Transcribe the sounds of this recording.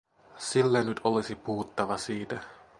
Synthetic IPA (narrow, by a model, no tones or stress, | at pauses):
silːenyt̪olisipuhut̪ːɑʋɑsiːt̪æ